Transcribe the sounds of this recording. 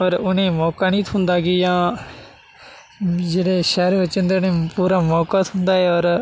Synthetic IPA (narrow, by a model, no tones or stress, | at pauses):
ɔːɾʊnẽːmɔːkaːnĩːt̪ʰʊnd̪aːɡiːjãː | d͡ʒeːɽeːʃɛːɾʋət͡ʃənd̪eːʊnẽːpuːɾaːmɔːkaːt̪ʰʊ̃nd̪aːɦɛːɔːɾ